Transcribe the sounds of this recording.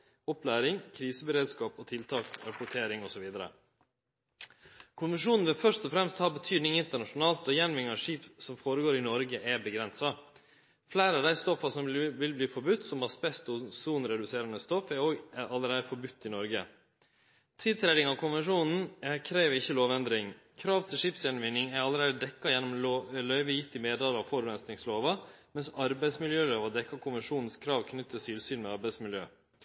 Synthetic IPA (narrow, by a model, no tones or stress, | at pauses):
ɔplæːɾɪŋkʰɾiːsəbəɾeːd̪skɑːpɔt̪ʰɪlt̪ʰɑːkɾɑpʊʈʰeːɾɪŋɔsɔʋiːd̪əɾə̰ | kʰʊnʋɛnʂuːnn̩ʋɪlfœʂt̪ɔfɾɛmst̪hɑːbət̪ʰyːd̪nɪŋɪnt̪əɳɑʂʊnɑːlt̪ɔjɛnʋɪŋɑʂiːpsɔmfoːɾəɡoːɾɪnɔɾɡəʔɛbəɡɾɛnsɑ | flæɪːɾəɑʋd̪æɪst̪ɔfɑsɔmʋɪlbliːfɔɾbʉt̪ːsɔmhɑːspɛst̪ɔsuːnɾɛd̪ʉseːɾɑnəst̪ɔfɛɾoːɡʔɑlːəɾeːd̪əfɔɾbʉt̪ːɪnɔɾɡə | t̪ʰɪd̪t̪ʰɾæd̪ɪŋɑːʋkʰʊnʋɛnʂuːnn̩kʰɾeːʋəɪçːəloːʋɛnd̪ɾɪŋ | kʰɾɑːʋt̪ʰɪlʂɪpsjɛnɔmʋɪnːɪŋæɾɑlːəɾeːd̪əd̪ɛkːɑjɛnːɔmlœʏʋəjɪt̪ːɪmeːd̪ɑlɑfɔɾʋɛnst̪nɪŋsloːʋɑmɛnsɑɾbæɪsmɪljøːloːʋɑd̪ɛkːɑkʰʊnʋɛnʂuːnn̩skʰɾɑːʋkʰnʏt̪ːəsyːlsyːnmɛɑɾbæɪsmɪljøː